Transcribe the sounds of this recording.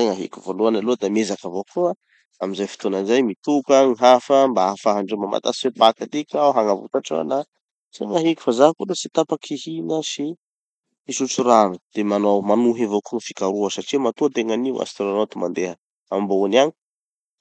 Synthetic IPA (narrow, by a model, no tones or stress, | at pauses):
aŋaɦḭkʲuvoluanalod̪amezakavokʰua | amizajfi̥t̪onanzajmit̪ukəŋiɦafəmbaafaɦaɳɖ͡ʐemama̰t̪asifepak̪at̪ikaɦaŋavṵt̪aʈ͡ʂo̰na | z̥eŋaɦikʲu̥fazaɦkud̪esit̪apakʰihinəsi | isut͡suɾanəd̪̥emanowmanuɦevokuŋifikaɾuəsaʈ͡ʂimat̪ut̪eŋaniwa̰st̪uɾanot̪umand̪eɦə | ambounani̥